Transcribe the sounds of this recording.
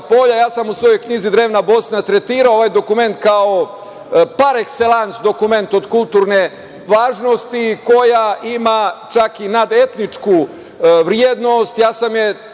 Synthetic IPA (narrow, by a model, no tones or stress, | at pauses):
po̞ʎajaːsamusʋo̞jo̞jkɲizid̪ɾe̞ːʋnabo̞snat̪ɾet̪iːɾaooʋajd̪o̞kume̞nt̪kao̞ | paɾekse̞lˠansd̪o̞kume̞nt̪o̞d̪kulˠt̪uːɾne | ʋaːʒno̞st̪iko̞jaʔimat͡ʃakinad̪e̞t̪nit͡ʃku | ʋɾjeːd̪no̞st̪jaːsamje